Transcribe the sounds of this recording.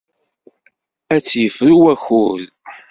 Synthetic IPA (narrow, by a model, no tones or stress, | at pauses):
æt͡sːjəfɾuwæxuð